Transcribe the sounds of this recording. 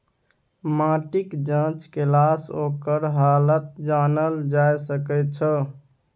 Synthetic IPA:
mãʈikd͡ʒãt͡ʃkelasokəɾɦalət̪̚d͡ʒanəld͡ʒajsəkət̪̚t͡ʃʰə

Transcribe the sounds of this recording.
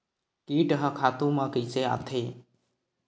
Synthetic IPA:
kiːʈɦəkʰaːt̪ũːmãːkiːseːa̰ːt̪ʰeː

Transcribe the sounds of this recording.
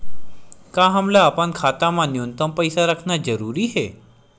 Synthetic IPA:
kãɦəmlaːpãnkʰaːt̪amãnjont̪əmpəjsaɾakʰnad͡ʒəɾuɾiɦe

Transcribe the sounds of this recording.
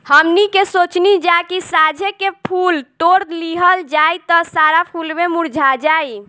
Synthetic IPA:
həmnikesot͡ʃnid͡ʒakisad͡ʒʱekepʰult̪oɾt̪liɦəld͡ʒajt̪ɔsaɾapʰulbemuɾd͡ʒʱad͡ʒaj

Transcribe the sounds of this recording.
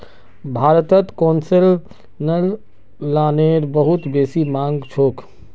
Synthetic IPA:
bʱaːɾt̪ət̪koːnsel | nəlː | aːneɾbəɦut̪beːsimãːŋɡt͡ʃʰoːk

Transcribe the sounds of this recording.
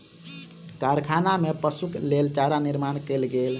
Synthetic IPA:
kaɾkʰanamepəsuklelt͡ʃaɾaniɾmankelɡel

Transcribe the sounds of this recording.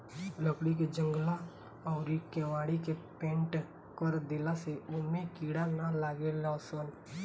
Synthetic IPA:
ləkɽik̬ed͡ʒə̃ŋɡla | ɔːɾikɛːʋaːɽikepẽːɳʈ | kəɾd̪ɪlaseʊnmẽkiːɽanalaːɡelasən

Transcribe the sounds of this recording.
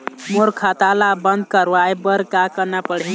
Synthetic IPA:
moɾkʰat̪alabənd̪̚kəɾʋajbəɾkakənapəɽi

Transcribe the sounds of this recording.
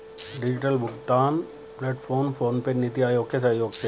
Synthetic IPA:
ɖɪd͡ʒɪʈəlbʊɡt̪aːn | pleːʈpʰoːɾnpʰoːɾnpenit̪iaːjoːɡkesəɦjoːɡt͡ʃʰe

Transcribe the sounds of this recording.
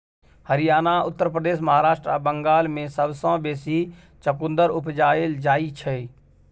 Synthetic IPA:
həɾijaːnaʊt̪ːəɾpɾəd̪eːʃ̬məɦaːɾaːʃʈɾabəŋɡaːlmẽsəbsãːbeːsi | t͡ʃəkʊ̃nd̪əɾʊpd͡ʒaːeld͡ʒaːit͡ʃʰɛ

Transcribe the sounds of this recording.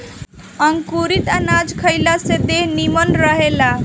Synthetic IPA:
əŋkuɾit̪anad͡ʒkʰəjlased̪eɦnimənɾəɦela

